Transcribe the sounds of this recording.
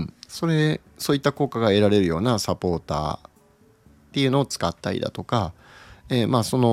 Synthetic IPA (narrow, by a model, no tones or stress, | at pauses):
so̞ɾe̞ | so̞ːit̪ːako̞ːkaɡae̞ɾaɾe̞ɾɯ̟jo̞ːnasapo̞ːt̪a̰ː | t̪ːe̞jɯ̟no̞ːt͡sɨ̥kat̪ːa̰ɾʲḭd̪a̰t̪o̞ka | emaːso̞no̞